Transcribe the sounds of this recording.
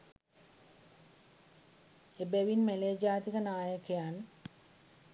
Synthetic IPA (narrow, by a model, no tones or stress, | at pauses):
ebeʋinmeleːd͡ʒaːt̪ikənaːjəkejan